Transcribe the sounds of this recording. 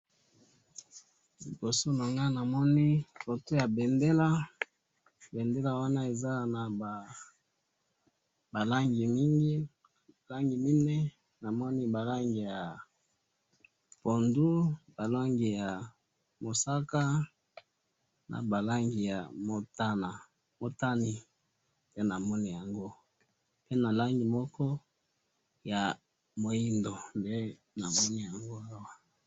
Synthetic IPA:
li˨bo˨so˦na˨ŋɡa˦na˨mɔ˦ni˦fo˨to˦ja˨be˨nde˦la˦ | bɛ˨nde˦la˨wa˦na˦e˨za˦na˨ | ba˨la˦ŋɡi˨mi˦ŋɡi˦˨ | la˦ŋɡi˨mi˦ne˦ | na˨mɔ˦ni˦ba˨la˦ŋɡi˨ja˨ | po˨ndu˦ba˨la˦ŋɡi˨ja˨ | mo˨sa˦ka˦ | na̰˨ba˨la˦ŋɡi˨ja˨mo˨ta˦na˨ | mo˨ta˦ni˨ | tɛ˦na˨mɔ˦ni˦˨ja˨ŋɡo˦ | pe˦na˨la˦ŋɡi˨mɔ˦kɔ˦ | ja˨ | mo˨ji˦ndo˨nde˦ | na˨mɔ˦ni˦ja˨ŋɡo˦a˦wa˦

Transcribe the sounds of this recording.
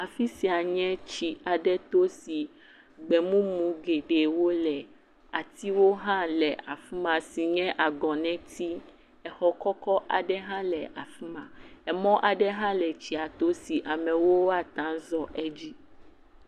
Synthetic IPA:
a˨fi˦si˨a˨ɲɛ̃˦t͡ɕi˨a˨ɖɛ˦t̪o˦si˨ | ɡ͡bɛ˨mũ˦mũ˨ɡe˨ɖe˨wo˦lɛ˨ | a˨t̪i˦wo˦ɦã˦lɛ˨ʔa˨fu˦mã˨si˨ɲɛ̃˦ʔa˨ɡɔ̃˨nɛ̃˦t̪i˦ | ɛ˨xɔ˨kɔ˦kɔ˦ʔa˨ɖɛ˦ɦã˦lɛ˨ʔa˨fu˦mã˨ɛ˨mɔ̃˦ʔa˨ɖɛ˦ɦã˦lɛ˨t͡ɕi˦a˨t̪o˦si˨ʔa˨mɛ̃˨wo˦wo˦a˦t̪ã˦zɔ˦ʔɛ˦d͡ʑi˦

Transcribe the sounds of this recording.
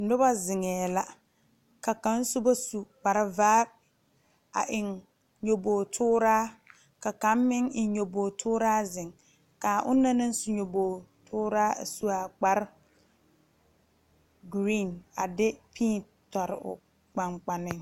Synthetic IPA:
nʊ˦ba˦zɪ˨ŋɛː˨la˨ | ka˨ka˦n̩˦sʊ˦ba˦su˨k͡pa˨ɾɪ˦vaː˦b̚ | a̰˨ʔɪ˨ŋ | ɲo˨boː˨tʰʊː˦ɾaː˦ | ka˨ka˨˦m˦mɪ˦ŋɪ˨˦ɲo˨boː˨tʰʊː˦ɾaː˦zɪ˨ŋ | kaː˨ʔʊ̰˦nːa˦nɪ˦n˦su˨ɲo˨boː˨tʰʊː˦ɾaː˦a̰˨su˦a˨k͡pa˨ɾ | ɡɾi˦˨na̰˨dɪ˦pʰiː˦n | tɔ˨ɾɪ̰˨ʊ̰˨ | k͡pa˨ŋk͡pa˨nɪ˦ŋ

